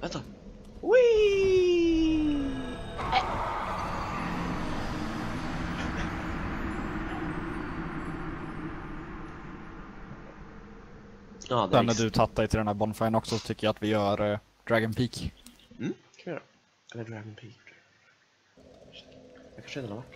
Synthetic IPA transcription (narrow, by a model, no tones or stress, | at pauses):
ɛt̪a | wi | ad̪ɛnːæɖɵt̪ʰat̪ːad̪ɛjt̪ɪld̪ɛnhæɾbɔnfajənɔksɔsɔ̥t̪ʏkːəjaat̪vɪjœːɾ | d̪̥ɾæɡɔnpʰiːk̩ː | ajːɾa | ɛlːəɖɾaɡɔnpʰiːk | d̪ɛkʰanʂəɪ̃nəaɾvaʈː